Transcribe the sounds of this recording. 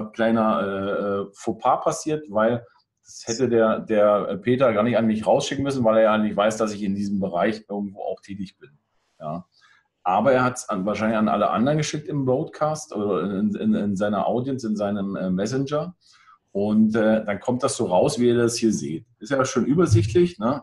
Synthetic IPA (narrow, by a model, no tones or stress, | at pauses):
kʰl̥aɪnɐʔɛːɛːfopʰaːpʰasiːɐtv̥aɪl | d̥ashɛtədeːɐdeːɐpʰeːtɐɡaːɐnɪçtanmɪçʁaʊsʃɪkŋ̩mʏsn̩vaɪleːɐjaːnɪçtv̥aɪsd̥asɪçɪndiːzəmbəʁaɪçʔɪɐɡ̚ŋ̩tv̥o̰ːʔa̰ʊxtʰɛːtɪçb̥ɪn | jaː | ʔaːbɐeːɐhatsanvaːɐʃ̬aɪnlɪçanʔa̰ləʔa̰ndʁənɡəʃɪk̚tɪmboʊtkʰaːstʔoːdɐɪnɪ̰nɪ̰nzaɪnɐ̰ʔa̰ʊdjənsɪnzaɪnəmɛːɛs̬ɪnd͡ʒɐ | ʔʊntɛːd̥ankʰɔmtd̥asz̥oːʁaʊsv̥iːiːɐdashiːɐzḛːt̚ɪstjaaʃoːnʔyːbɐzɪçtʰlɪçnə